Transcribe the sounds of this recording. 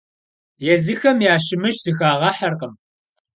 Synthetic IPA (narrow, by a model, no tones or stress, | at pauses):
jɛzɨxɐmjaːʃɪmɨʃz̥ɨxaːʁɐħɐrqəm